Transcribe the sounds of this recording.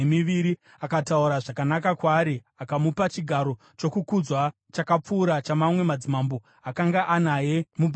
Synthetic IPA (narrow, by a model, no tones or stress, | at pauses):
miʋiɾi | akatauɾaʐakanakakwaːɾi | akamupat͡ʃiɡʱaɾo̞ | t͡ʃo̞kukud͡zwa | t͡ʃakap͡fuːɾat͡ʃamamwe̞mad͡zimambo | akaŋɡaʔanaje̞mubʱ